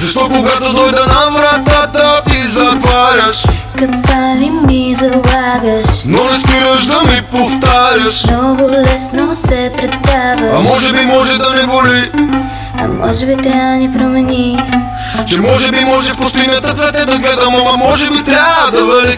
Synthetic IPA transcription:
zɐʃt̪ɔkoɡat̪od̪ɔjd̪ɐnɐvɾat̪at̪ət̪izɐt̪vaɾʲɐʃ | kɐkanimizɐlˠaɡəʃnonɐspiɾəʒd̪ɐmipoft̪aɾʲɐʃnɔɡʊlɛsnosɛpɾɛt̪ːazɐɐmɔʒɛbimɔʒɛd̪ɐmɛboli | ɐ̰mʔɔ̰ʒɛbit̪ɾʲad̪ɐnipɾomɛni | t͡ʃɛmɔʒɛbimɔʒɛʃpost̪ʊinɐt̪ɐt̪zɛt̪ɛd̪ɐɡlɛd̪ɐmɐmɐmɔʒɛbit̪ɾʲad̪ɐvɛli

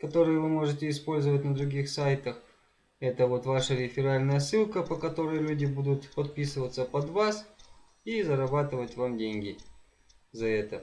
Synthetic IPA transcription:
kɐt̪o̞ɾɨjʊvɨmo̞ʐɨtʲɪɪspo̞lʲzəvət̚ʲnəd̪ɾʊɡʲixsajt̪əx | ɛt̪əvo̞t̪vaʂəɾʲɪfʲɪɾalʲnəjəsɨlˠkəpəkɐt̪o̞ɾəjlʲudʲɪbud̪ʊt̪pɐt̪̚pʲisɨvət̪səpɐd̪vas | izəɾɐbat̪ɨvətʲvamdʲenʲɡʲɪ | zɐɛt̪ə

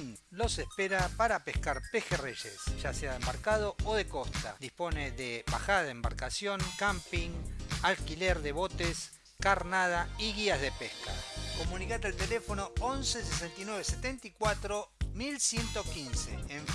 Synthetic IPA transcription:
lo̞sespeɾapaɾapehkaɾpexereʒḛsʒ̥aseaðembaɾkað̞o̞oðeko̞st̪a̰d̪ispo̞neðeβa̰xaðaðemba̰ɾkasjo̞ŋkampiŋalkileɾðeβo̞t̪es | kaɾnað̞aiɣiazðepehka̰ko̞mũnikat̪elt̪elefo̞no̞onses̬esent̪inweβeset̪e̞nt̪ikwat̪ɾomilsje̞nt̪o̞kinsḛːɱ

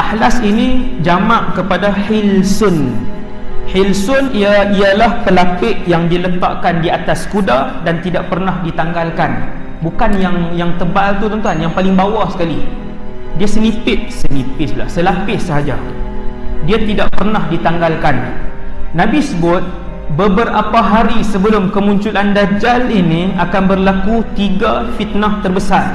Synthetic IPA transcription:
ʔahlasinĩd͡ʒamaʔkəpadaħɪlsʊn | hɪlsʊniaijalahpəlakɪʔjaŋdilət̪a̰ʔkandiat̪askudahdant̪idaʔpərnahdit̪aŋɡalkan | bukanjaŋjaŋt̪əbalt̪ut̪ənt̪uanjaŋpalɪŋbawahsə̥kali | diasənipɪt̪̚sənipɪsla̰hsəlapɪhsəɦad͡ʒa̰ | diat̪idaʔpərnahdit̪aŋɡalkanː | ãbisəbʊt̪̚ | bəbərapaɦaɾisəbəlʊmkəmũɲt͡ʃulandad͡ʒalinĩakanbərlakut̪iɡafit̪̚naht̪ərbəsar

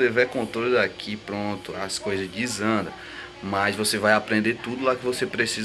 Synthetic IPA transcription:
evɛkõnt̪ɾold̪akʰipɾõt̪ʊaskojzɐzd͡ʒizɐ̃d̪ɐ̰ | mɐzvosevajapɾẽnd̪et̪ud̪ʊlakɪvosepɾesiz

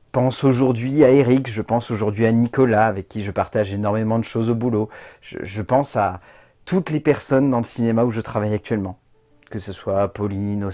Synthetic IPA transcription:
pɑ̃soʒuʁd̪ɥiaeʁikʒəpɑ̃soʒuʁd̪ɥianikɔlaːvɛkʲːiʒəpaʁt̪aʒenɔʁmemɑ̃d̪əʃozobuloʒ̥ə̰ʒəpɑ̃sa | t̪ʰut̪lepɛʁsɔnd̪ɑ̃ləsinemauʒət̪χavajak̚t̪ɥɛlmɑ̃ | kəsəswapɔlino

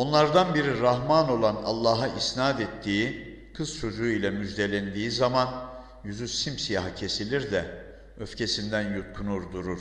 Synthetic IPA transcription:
o̞nlˠaɾd̪anbiɾiɾaɦmano̞lˠana̰lˠːɑːɦaʔisnaːd̪et̪ʰːiːi | kʰɯz̥t͡ʃʰo̞d͡ʒuːilʲɛmyd͡ʒd̪e̞lʲænd̪iːzaman | jyzysimsijaːɦacʰe̞silʲiɾd̪ɛ | øfcʰe̞sind̪ænjut̪̚kʰunuɾd̪uɾuɾ̥

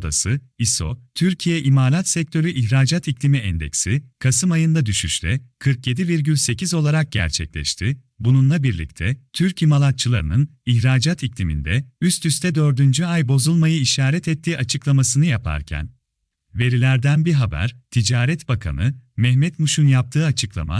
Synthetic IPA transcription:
d̪a̰sɯiso̞̰t̪ʰyɾcʰijɛʔimaːlˠat̪sɛc̚t̪ʰøɾʲyʔiçɾaːd͡ʒat̪iclʲimiɛnd̪ɛ̰csikʰasɯmajɯnd̪ad̪yʃyʃlʲɛkʰɯɾkje̞d̪iviɾɟylʲse̞cizo̞lˠaɾak̚ɟ̥ɛæ̰ɾt͡ʃʰɛ̰c̚lʲɛ̰ʃt̪ʰɪ | bununlˠabiɾlʲḭc̚t̪ʰɛt̪ʰyɾcimalˠat̪̚t͡ʃʰɯlˠaɾɯ̰nɯniçɾaːd͡ʒat̪iclʲimḭnd̪ɛyst̪ʰyst̪ʰɛd̪ø̞ɾd̪ynd͡ʒyajbo̞zulˠmajɯiʃaːɾɛt̪ʰɛt̪ʰːiːat͡ʃʰɯklˠamasɯnɯjapʰa̰ɾcʰæ̰n | ve̞ɾilʲæɾd̪ænbiɦabæ̰ɾt̪ʰid͡ʒaːɾɛt̪bakʰa̰nɯmɛhmɛt̪muʃunjap̚t̪ʰɯːat͡ʃʰɯklˠa̰ma̰

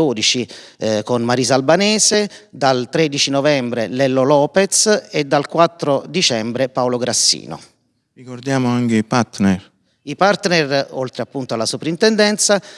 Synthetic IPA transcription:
oːd̪it͡ʃikonmaɾizalbanɛːsed̪alt̪ɾed̪it͡ʃinɔvɛmbɾelɛlːolɔːpet̪sed̪ːalkwat̪ːɾod̪it͡ʃɛmbɾepawloɡɾasːḭːno̰ | rikord̪jaːmoaŋkeipaɾt̪nɛr | ipart̪nɛrolt̪ɾeapːunt̪oalːasupɾint̪ɛnd̪ɛnt̪sa

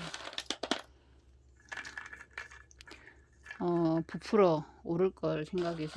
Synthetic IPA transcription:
ʌpupʰɯɾooɾɯɭk͈ʌɭsʰeŋɡaɡesʰ

